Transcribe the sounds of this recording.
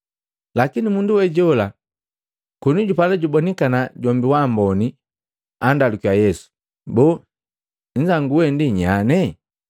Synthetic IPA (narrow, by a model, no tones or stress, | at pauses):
lakinimunduwɛɟɔla | kɔnuɟupalɛɟubɔnikanaɟɔmbiwambɔni | andalukiajɛsu̥ | bɔ | ɲ̩d͡ʒaŋɡuwɛndiɲanɛ